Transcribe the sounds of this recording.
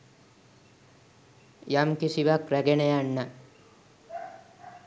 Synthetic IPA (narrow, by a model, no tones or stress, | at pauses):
jamkisiʋakɾæɡenejaɳːə